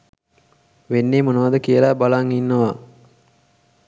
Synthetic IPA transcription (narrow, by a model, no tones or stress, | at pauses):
ʋenːemonəʋad̪əkijəlabalaŋinːəʋa